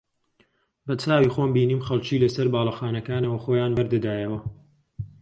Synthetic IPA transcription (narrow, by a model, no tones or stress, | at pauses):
bɐt͡saːwiːxoːmbiːniːmxɐlˠt͡ʃiːlɐsɐɾbaːlˠɐxaːnɐkaːnɐwɐxoːjaːnbɐɾd̪ɨd̪aːjɐwɐ